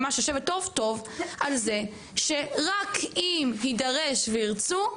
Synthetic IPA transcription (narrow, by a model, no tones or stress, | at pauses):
maʃaʃeveto̞vto̞valze̞ | ʃeʁakimɦidaʁeʃveiʁt͡su